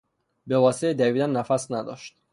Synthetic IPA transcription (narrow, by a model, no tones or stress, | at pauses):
bevɒːseed̪æviːd̪ænːæfæsnæd̪ɒ̰ːʃt̪̚